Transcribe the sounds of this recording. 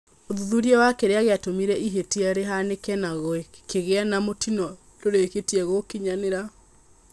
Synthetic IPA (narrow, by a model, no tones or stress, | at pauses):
oðuðuɾiɛwakeɾeaɣeatomiɾɛʔiɦetiaɾeɦanekɛnaɣoekeɣeanamotʰinɔ | loɾeketiɛɣokiɲaneɾa